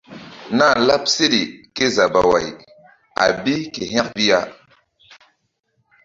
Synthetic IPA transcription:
na˦˨la˦p̚se˦di˨ke˦za˨ba˨wa˨j | a̰˨bi˦ke˨ɦɛ̃˦k̚bi˦ja˦

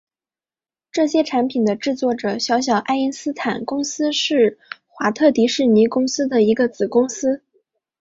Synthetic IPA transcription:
ʈ͡ʂɤ˥˩ɕjɛ˥ʈ͡ʂʰa˧˥npʰi˨˩nd̪ə˦ʈ͡ʂɻ̩˥˧t͡swɔ˥˩ʈ͡ʂɤ˨˩ɕjɑ˧˥ʊɕ̬jɑ˨˩ʊʔa˥ɪi˥nsɹ̩˥t̪ʰa˨˩nkʊ˥ŋsɹ̩˥ʂɻ̩˥˩xwa˧˥t̪ʰɤ˥˩t̪i˧˥ʂɻ̩˥˩ni˧˥kʊ˥ŋsɹ̩˥d̪ə˨i˧˥ɡə˧t͡sɹ̩˨˩kʊ˥ŋsɹ̩˥

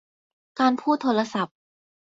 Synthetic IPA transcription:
kaː˧npʰuː˥˩t̪ʰːoː˧ɾa˧sa˨˩p̚

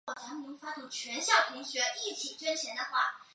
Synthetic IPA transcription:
ɔ˨˩t͡ɕʰja˧˥ŋmu˧˥ŋfa˥t̪ʰu˧˥t͡ɕʰɥɛ˧˥nɕjɑ˥˩ʊpʰi˧˥ŋɕɥɛ˧˥ʔi˥˩t͡ɕʰi˨˩ʈ͡ʂwə˥nt͡ɕʰjɛ˧˥nd̪ə˧xwa̰˥˩

